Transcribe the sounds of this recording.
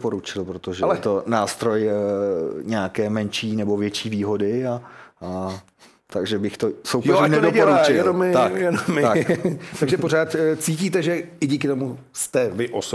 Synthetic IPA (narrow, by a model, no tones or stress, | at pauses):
po̞ɾut͡ʃɪlpɾot̪oʒɛlɛt̪o̞naːst̪ɾo̞j | ɲɛakɛːmɛnʃiːnɛbo̞vjɛt͡ʃiːviːɦo̞dɪaa | t̪aɡʒɛbɪxt̪o̞sowjɛnɛdɛɟɛolɾuat͡ʃɪɛomɪt̪akjɛdomat̪aɡʒɛpoɾaːt̪t͡siːciːt̪ɛʒɛɪɟiːkɪt̪omu | st̪ɛvɪʔos